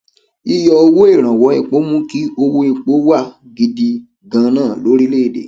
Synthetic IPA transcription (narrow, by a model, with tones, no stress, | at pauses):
i˧jɔ˧o˧wo˦e˦˨ɾ̃ã˨wɔ˨˦i˦˨k͡po˨˦mũ˦ki˦o˧wo˦i˨k͡po˦wa˦˨ɡi˧di˧ | ɡã˧nãː˦˨lo˨˦ɾi˦le˦˨˦dḛ˨